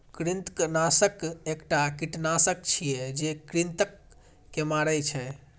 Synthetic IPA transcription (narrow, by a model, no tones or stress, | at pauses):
kɾint̪knasəkekʈakiʈnasək̚t͡ʃʰijed͡ʒekɾint̪əkː | emaɾəjt͡ʃʰɛ